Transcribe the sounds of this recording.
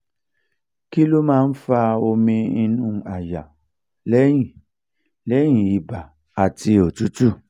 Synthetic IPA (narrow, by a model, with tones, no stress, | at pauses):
ki˦lu˦mãː˦n̩˦fa˧o˧mĩ˧i˧nũ˦˨a˨ja˨ | lɛ˦jĩ˦˨ | lɛ˨˦j̃ĩ˨i˨ba˨ | a˨ti˧o˨tu˦tu˦˨